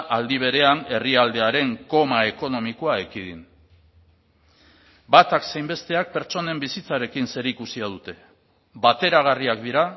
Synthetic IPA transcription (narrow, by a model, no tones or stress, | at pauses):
ʔald̪iβ̞e̞ɾe̞ane̞riald̪e̞aɾe̞ŋko̞mae̞ko̞no̞miko̞aekiðin | bat̪aksejmbe̞st̪e̞ak̚pe̞ɾt͡so̞ne̞mbisit͡saɾe̞kinse̞ɾikusiað̞ut̪e̞ | βat̪e̞ɾaɣ̞ariakd̪iɾa